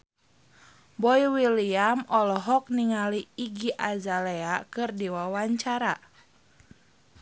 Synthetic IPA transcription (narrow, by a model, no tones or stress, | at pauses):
bɔiwiliamɔlɔɦɔk̚niŋaliːɡiʔazaleakɨrdiwawaɲt͡ʃaɾa